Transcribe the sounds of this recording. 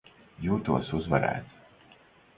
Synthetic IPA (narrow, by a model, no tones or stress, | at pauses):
juːt̪uɔsuzvɛɾæ̰ːt̪